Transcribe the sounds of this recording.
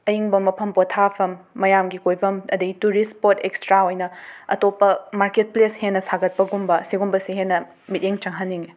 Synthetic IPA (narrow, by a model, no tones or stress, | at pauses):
ɐjiŋbɐmɐpʰɐmpotʰapʰɐmːɐjamɡikojbʰʱɐmɐdɐɡituɾispotekstɾaojnɐɐtopːɐmaɾket̚pleshenːɐsʰaɡɐt̚pɐɡumbɐsiɡumbɐsiɦenːɐ | mit̚eŋt͡ʃɐŋɦɐnːiŋi